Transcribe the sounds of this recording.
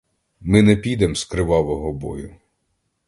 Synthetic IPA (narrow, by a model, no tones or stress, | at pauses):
mɪnɛpʲid̪ɛmskɾɪʋɑʋɔɦɔbɔ̰jʊ